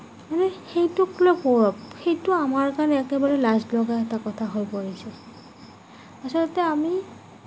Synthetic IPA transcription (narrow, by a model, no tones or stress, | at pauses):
manɛxejtʊklepɔɹɔp̚xejtʊamaɹkanɛɛkɛbaɹɛlazlɔɡaɛtakɔtʰaɦojpoɹisɛ | asɔlɔtɛami